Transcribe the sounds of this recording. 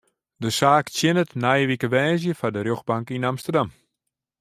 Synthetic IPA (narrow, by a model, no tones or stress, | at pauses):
dəsaːksjɪnətnajəʋikəʋɛːzjəfadərjoxbaŋkinamstərdam